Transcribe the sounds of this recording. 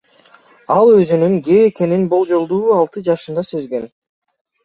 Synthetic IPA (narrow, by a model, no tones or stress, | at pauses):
ɑlˠø̞zynyŋɡeːke̞ninbo̞lˠd͡ʒo̞lˠd̪uːɑlˠt̪ɯd͡ʒɑʃɯnd̪ɑsø̞zɡe̞n